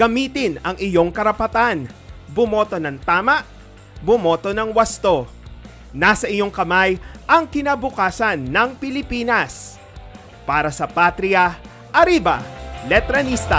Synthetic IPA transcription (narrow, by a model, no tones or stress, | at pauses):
ɡ̥ɐmiːt̪ɪnɐŋɪjo̞ŋkɐɾɐpɐt̪anbʊmo̞ːt̪o̞nɐŋt̪aːmɐʔ | bʊmo̞ːt̪o̞nɐŋwɐst̪o̞ | nasɐʔɪɲo̞ŋkɐmajʔɐŋkɪnabʊkaːsɐnːɐŋpɪlɪpiːnɐs | paːɾɐsɐpat̪ɾɪɐ | ʔɐɾibɐ̰lɛt̪ɾɐnist̪ɐ